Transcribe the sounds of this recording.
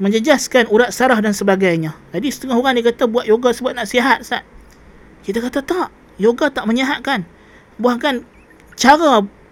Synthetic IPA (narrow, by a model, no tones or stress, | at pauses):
məɲd͡ʒəd͡ʒaskanuɾaʔ̪̚saɾahdansəbaɡajɲãd͡ʒadisə̥t̪əŋaɦoɣaŋdikat̪abuaʔ̪̚joɡasəbuat̪̚naʔsiaɦat̪̚saʔ̪̚ | kit̪akat̪at̪aʔ | joɡat̪aʔməɲaɦat̪̚kan | buahkan | t͡ʃaɾa